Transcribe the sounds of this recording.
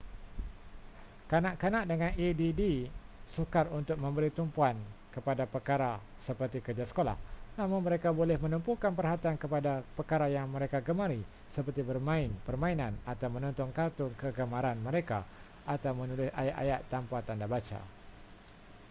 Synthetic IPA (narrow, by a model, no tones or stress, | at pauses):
kanaʔkanaʔdəŋãnididisukarunt̪ʊk̚mə̃mbəɾit̪umpuankəpadapərkaɾa | səpərt̪ikərd͡ʒasə̥kola̰hnãmʊŋməɾekabolɛhmə̃numpukanpərɦat̪iankəpadapərkaɾajaŋmə̃ɾekaɡəmaɾi | səpərt̪ibərmãɪnpərmãinãnat̪awmə̃nɔnt̪ɔŋkart̪ʊŋkəɡəmaɾanmə̃ɾeka | at̪awmənulɪsa̰jaʔa̰jat̪ːampat̪andabat͡ʃa̰